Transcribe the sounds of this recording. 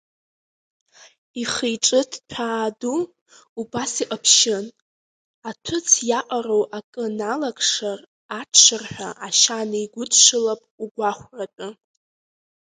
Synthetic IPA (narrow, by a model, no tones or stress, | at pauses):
iχejʈ͡ʂʼɨtʰtʷʰaːdu | ubasiqʼəpʰʃɪn | atʷʰʊt͡sʰjaqʷʼarowʔakʼɨnalakʰʼʂar | atʰʂɨrħʷᶣaʔaʃanaiɡʷʊtʰʂɨlapʼuɡʷaχʷrapʼʊ